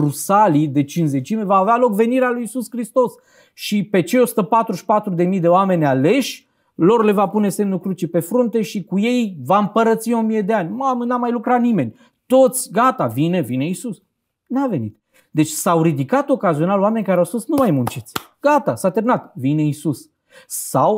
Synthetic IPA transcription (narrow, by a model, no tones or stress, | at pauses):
rusalid̪e̞t͡ʃinze̞t͡ʃimevaːvealo̞kve̞niɾealujisuskɾist̪o̞s | ʃipe̞t͡ʃe̞jo̞su̥t̪əpat̪ɾuʃpat̪ɾud̪e̞mijd̪e̞oame̞nʲale̞ʃʲ | lo̞rle̞vapune̞se̞mnukɾut͡ʃepe̞fɾunt̪e̞ʃikuje̞jvaɨmpəɾət̪sio̞mije̞d̪e̞anʲmamənamajlukɾat̪nime̞nʲ | t̪o̞t̪sʲɡat̪avine̞vine̞isus | nave̞nḭt̪̚ | d̪e̞t͡ʃʲsawɾid̪ikat̪o̞kazio̞naloame̞nʲkaɾeawskosnumajmunt͡ʃet̪ʲɡ̥at̪asat̪eɾmnat̪vine̞isus | saw